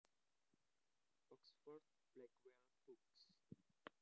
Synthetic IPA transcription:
ɔksfɔɹd̪̚ | b̥lɛkwɛl | buks

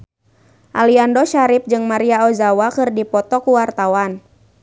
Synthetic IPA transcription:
ʔaliandɔʃaɾip̚d͡ʒɨŋmaɾiaɔzawakɨrdipɔt̪ɔkuwart̪awan

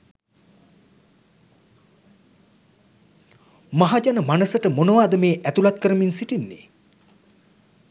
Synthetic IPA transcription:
maɦad͡ʒanəmanəsəʈəmonəʋaːd̪əmeːʔæt̪ulat̪kəɾəminsiʈinːḛ

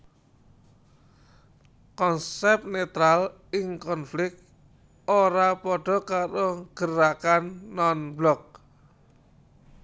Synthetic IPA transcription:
kɔnsɛp̚net̪ɾal | ɪŋkɔnflɪk̪̚ | oɾapɔɖ̥ɔ̤kaɾoɡ̥əɾakanːɔnblɔk̚

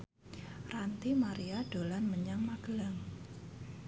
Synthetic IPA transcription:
rant̪imaɾiaɖ̥olanməɲaŋmaɡ̥laŋ

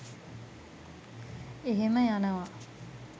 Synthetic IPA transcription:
eɦeməjanəʋa

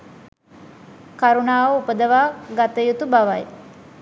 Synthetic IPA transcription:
kaɾunaːʋəupəd̪əʋaːɡat̪əjut̪ubaʋaj

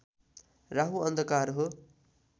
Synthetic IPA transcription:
raɦuʌnd̪ʱʌkaɾɦo

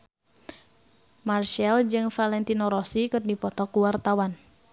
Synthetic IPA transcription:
marʃɛld͡ʒɨŋfalɛnt̪inoɾɔsikɨrdipɔt̪ɔkuwart̪awan

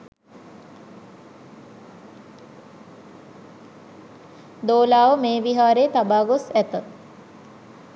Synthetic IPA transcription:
d̪oːlaːʋəmeːʋiɦaːɾeːt̪abaːɡosæt̪ə

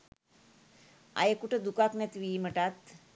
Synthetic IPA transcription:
a̰jekuʈʰəd̪ukaknɛt̪ʋim̤əʈat̪

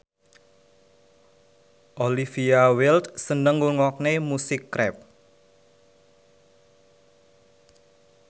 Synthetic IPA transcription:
ʔolifiawɪlt̪sənəŋuŋɔk̚nemusɪkːɾɛ̰p̚

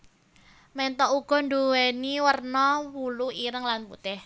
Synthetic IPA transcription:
mɛnt̪ɔʔuɡ̥ɔ̤nd̪oweniwərnɔwuluiɾəŋlanpṵt̪ɪh

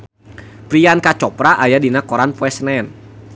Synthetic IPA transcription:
pɾiankat͡ʃɔpɾaʔajadinakɔɾanpwɛsnɛn

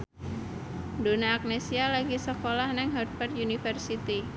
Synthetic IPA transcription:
donaːk̚nesialaɡisəkolahnɛŋɦɔd̪̚fɛrt̪junifərsit̪i

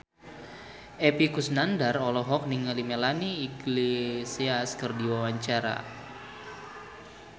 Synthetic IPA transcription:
ʔepikusnandarɔlɔɦɔk̚niŋalimɛlaniːɡlesiaskɨrdiwawaɲt͡ʃaɾa̰

